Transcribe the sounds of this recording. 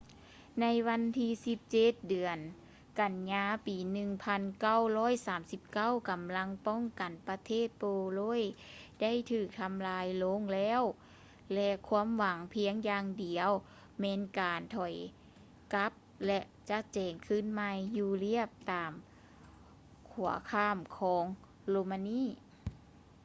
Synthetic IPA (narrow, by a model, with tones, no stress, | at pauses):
na˧˥jwa˧˥nt̪ʰiː˧˥si˧˦p̚t͡ɕe˧˩t̪̚dɯ˨˩ən | ka˨˩nɲaː˧piː˨˩nɯ˧ŋpʰa˧˥nka˥˩˨wlɔː˧˥˨jsaː˨˦msi˧˦p̚ka˥˩˨wka˨˩mla˧˥ŋpɔ˧˥˨ŋka˨˩npa˧t̪ʰeː˥˩t̪̚poː˧loː˧˥˨jda˥˨jt̪ʰɯː˧˩k̚t̪ʰa˧mlaː˧˥jloː˧˥ŋlɛː˧˥˩w | lɛ˧kʰwuː˧˥əmwa˨˦ŋpʰi˧˥əŋjaː˧ŋdi˨˩əw | mɛː˧˥nkaː˨˩nt̪ʰɔ˨˩j | ka˧˦˥p̚lɛ˧ʔt͡ɕa˧˥t̪̚t͡ɕɛː˨˩ŋkʰɯː˧˥˨nma˧jjuː˧li˥˩əp̚t̪aː˨m | kʰu˨˩˦ɐkʰaː˧˩˨mkʰɔː˩˦ŋ | loː˧maː˧niː˧˥˨